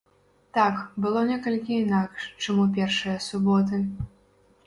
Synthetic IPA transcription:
t̪akbɨlˠɔnʲɛkɐlʲkʲiinakʂt͡ʂamupʲɛrʂɨjɐsubɔt̪̬ɨ

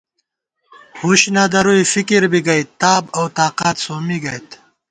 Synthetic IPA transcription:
huɕnad̪ɐɾuifikiɾbiɡɐjt̪t̪aːbɐwt̪aːqaːt̪soːmiɡɐjt̪

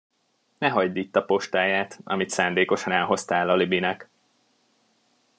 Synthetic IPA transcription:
nɛɦɒɟd̪iːt̪ːɒpo̞ʃt̪aːjaːt̪ɒ̰mit̪saːnd̪eːko̞ʃɒnɛlɦo̞st̪aːlɒlibinɛk

